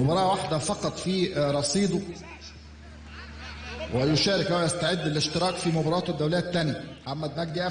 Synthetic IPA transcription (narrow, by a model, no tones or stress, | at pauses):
mʊbɑːɾˤɑːʔwaħd̪æfɑqɑt̪ˤfiːɾˤɑsˤiːd̪ˤo | wʔɪjʊʃæːɾɪkʔæwjæst̪aʕed̪ːɪlɪʃt̪ɪɾɑːkfimʊbɑːɾˤɑːt̪d̪ːæwlejːæt̪ːænjæħamːæd̪næɡd̪iʔæ